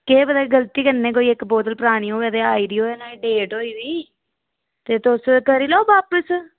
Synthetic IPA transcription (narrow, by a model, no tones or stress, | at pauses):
keːbəd̪aːeɡəlt̪iːkənːẽːk̬oːiːɪkboːt̪əlpəɾaːɽ̃ĩːoːeːd̪eːaːiːɖiːoːɛːnaːiːɖeːʈɦoːiːʋiː | t̪eːt̪ʊskəɾiːloːbaːpəs